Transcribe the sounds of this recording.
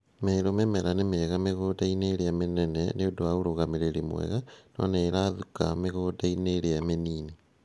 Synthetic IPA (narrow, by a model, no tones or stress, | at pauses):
meːɾomemɛɾanemeɣameɣodaineɾeamenɛnɛneodoauɾoɣameɾeɾimw̰ɛ̰ɣanɔ̰nɛːɾaðukameɣodaineɾeameniːni